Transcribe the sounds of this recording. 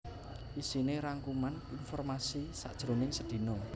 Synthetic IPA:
ʔisineɾaŋkumaninfɔrmasisa̰ʔd̥ʒ̥ɾonɪŋsəd̪̥i̤no

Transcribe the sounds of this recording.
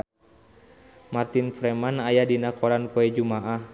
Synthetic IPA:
mart̪infɾɛmanajadinakɔɾanpɔɛd͡ʒumaʔah

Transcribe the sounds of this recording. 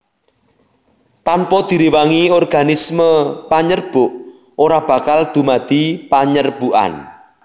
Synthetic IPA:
t̪anpɔd̪̥i̤ɾiwaŋiɔrɡ̥a̤nisməpaɲərb̥ʊʔ | ʔoɾab̥ä̤kald̪̥ṳmad̪̥i̤paɲərb̥uʔa̰n

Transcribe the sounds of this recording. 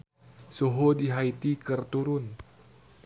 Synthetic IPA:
soɦodiɦait̪ikərt̪uɾʊn

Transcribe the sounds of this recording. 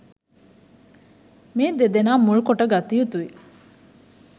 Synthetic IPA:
meːd̪ed̪enaːmuɭukoʈəɡat̪iut̪uʋi

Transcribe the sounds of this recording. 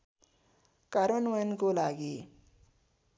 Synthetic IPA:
kaɾonwankolaɡi

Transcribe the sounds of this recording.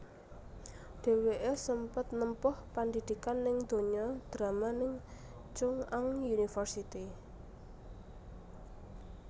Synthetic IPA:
ɖ̥e̤weʔesəmpət̪nəmpʊhpand̪id̪̥i̤kanːɪŋd̪̥o̤ɲɔd̪̥ɾamanɪŋ | t͡ʃʊŋaŋjunifərsit̪i

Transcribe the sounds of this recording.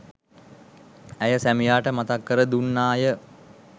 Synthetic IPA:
æjəsæmijaːʈəmat̪akːəɾəd̪unːaːjə

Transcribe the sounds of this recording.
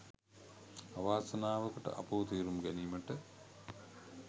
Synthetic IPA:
aʋaːsɐnaːʋəkəʈə̰ʔa̰puːt̪iːɾumɡæniːməʈə

